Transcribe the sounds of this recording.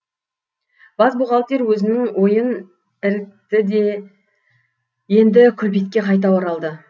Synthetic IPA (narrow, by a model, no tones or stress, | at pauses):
b̥ɑzbuʁɑlˠt̪e̞ɾwɵzɪnɪŋwo̞jən | ɪɾɪk̚t̪ɪd̪e̞ | je̞nd̪ɪkʲʰɵpet̪̚kʲe̞qʰɑjt̪̬ɑwɑɾɑlˠd̪ə